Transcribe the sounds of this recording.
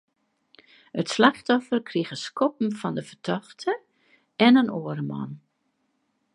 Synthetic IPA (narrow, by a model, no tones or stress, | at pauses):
ətslaxtɔfərkʰriɣəskɔp̚m̩fɔndəfərtʰɔxtʰə | ɛnənoəɾəmɔ̰n